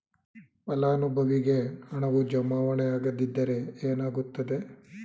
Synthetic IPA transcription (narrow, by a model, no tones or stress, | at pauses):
pɐlaːnubʱɐʋiɡe̞hɐɳɐʋud͡ʒɐmaːʋɐɳɐjaːɡɐd̪id̪ːɐɾe̞eːnaːɡut̪ːɐd̪e̞